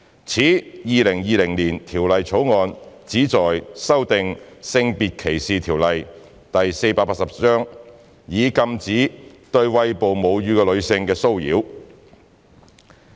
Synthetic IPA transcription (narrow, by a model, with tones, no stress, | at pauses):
t͡sʰiː˨˥jiː˨lɪ˨˩ŋjiː˨˧lɪ˨˩ŋliː˨˩nt̪ʰiː˨˩wlɐ˨jt͡sʰo˨˥wŋɔː˧nt͡siː˨˥t͡sɔː˨jsɐ˥wt̪ɪ˨ŋsɪ˧ŋpiː˨t̚kʰe˨˩jsiː˨t̪ʰiː˨˩wlɐ˨j | t̪ɐ˨jse˧jpaː˧paː˧t̚sɐ˨p̚t͡sœː˥ŋ | jiː˨˧kɐ˧mt͡siː˨˥t̪ɵ˧ɥwɐ˧jpo˨wmo˨˧wjyː˨˧kɛː˧lɵ˨˧ɥsɪ˧ŋkɛː˧so˥wjḭː˨˥w